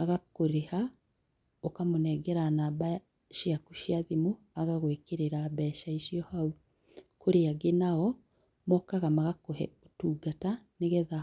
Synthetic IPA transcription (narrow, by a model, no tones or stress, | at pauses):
aɣakoɾeha | okamonɛɡɛɾanaβa | ʃjakuʃiaðimo | aɣaɣwekeɾeɾaβɛʃaiʃiɔhau | koɾeaɡenaɔ | mɔkaɣamaɣakohɛ̰otuːɡataneɣɛða